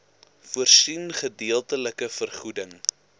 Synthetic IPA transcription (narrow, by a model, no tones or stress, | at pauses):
fuərsinχədiəlˠtələkəfərχudəŋ